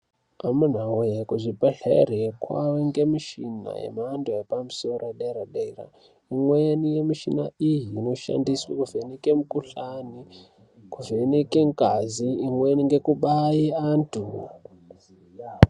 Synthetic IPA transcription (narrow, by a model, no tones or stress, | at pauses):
amun̤awujekuʐipeɬerekwa̰weŋɡemiʃina̰jḛmanduepamusoraɗaiɾaɗaira̰ | imwenijemiʃinaijiːno̞ʃa̰ndiswakuvenikemukuɬani | kuvenekeŋkaziimweniŋɡe̞kuɓajiantʰu